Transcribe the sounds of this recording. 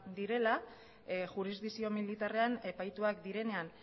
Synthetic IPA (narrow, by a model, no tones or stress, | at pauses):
d̪iɾe̞la | ʝuɾizd̪isio̞milit̪are̞ane̞pajt̪uakd̪iɾe̞ne̞an